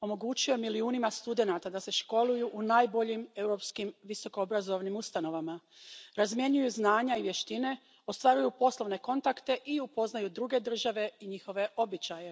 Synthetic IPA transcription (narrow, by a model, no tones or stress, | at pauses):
o̞mo̞ɡuːt͡ɕiomiliuːnimast̪ud̪e̞nat̪ad̪ase̞ʃko̞lujuʔunaːjbo̞ʎime̞wɾo̞ːpskimʋiso̞koobɾazo̞ʋnimust̪ano̞ʋamaɾazmje̞ɲujuznaːɲaiʋje̞ʃt̪ine̞ | ost̪ʋaɾujupo̞slo̞ʋne̞ko̞nt̪akt̪e̞ʔiupo̞znajud̪ɾuɡe̞d̪r̩ʒaʋe̞iɲixo̞ʋe̞o̞bit͡ɕaje̞